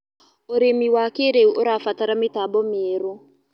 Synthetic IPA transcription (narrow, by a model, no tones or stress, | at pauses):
oɾemiwakeɾeuʔoɾafataɾametabɔmeːɾo